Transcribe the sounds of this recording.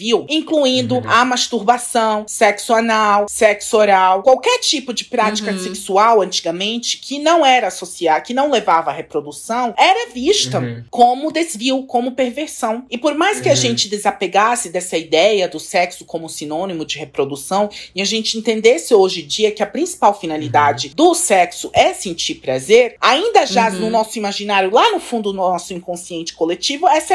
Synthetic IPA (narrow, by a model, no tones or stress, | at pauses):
viwĩŋkluĩnd̪ʊɐmaʃt̪uɾbasɐ̃w̃sɛksanawseksoɾawkwawkɛɾt͡ʃipʊd͡ʒɪpɾat͡ʃi̥kɐseksuawɐ̃nt͡ʃiɡɐmẽnt͡ʃɪ̥kʰɪnɐ̃w̃ɛɾɐsosiakɪnɐ̃w̃levavɐːhepɾod̪usɐ̃w̃ɛɾɐviʃt̪ɐkõmʊd̪ezviwkõmʊpeɾveɾsɐ̃w̃ɪpoɾmajskɪaʒẽnt͡ʃɪd̪ezapeɡasɪd̪ɛsɐid̪ɛjɐd̪ʊsɛksʊ̥kõmʊsĩnõnimʊd͡ʒɪhepɾod̪usɐ̃w̃ɪaʒẽnt͡ʃɪẽnt̪ẽnd̪esɪoʒɪd͡ʒiɐkɪɐpɾĩsi̥pawfinalid̪ad͡ʒɪd̪ʊsɛksʊʔɛsẽnt͡ʃiɾpɾazeɾaĩnd̪ɐʒanʊnɔsʊimaʒinaɾjʊlanʊfũnd̪ʊnɔsʊĩŋkõsiẽnt͡ʃɪ̥kolet͡ʃivʊɛsɐ